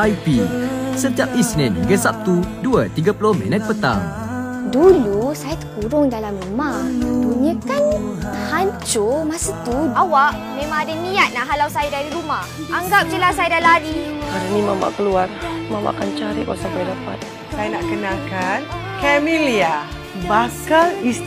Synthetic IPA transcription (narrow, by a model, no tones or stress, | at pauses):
ajpisət̪iap̚isnɛ̃nɡəsap̚t̪uduat̪iɡapəlʊhmɛ̰̃nət̪̚pət̪a̰ŋ | dulusajat̪ə̥kuɾʊŋdalamrumabuɲəkanhaɲt͡ʃʊmasat̪uawaʔ | mẽmãŋadanĩat̪̚nahɦalawsajadaɾiɾumah | aŋɡap̚t͡ʃəlasajadaladiadanimama̰ʔkəluarmama̰ʔkant͡ʃaɾḭʔkasampajdapa̰t̪̚ | sajanaʔkənakan | kɛmilia | bakalis